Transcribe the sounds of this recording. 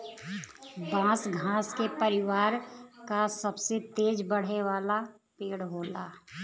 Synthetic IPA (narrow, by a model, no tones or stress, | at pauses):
bãːsɡʱãːskepɐɾɪʋaːɾkasɐbset̪eːd͡ʒbɐɽ̤eʋaːla | peːɽɦoːlaː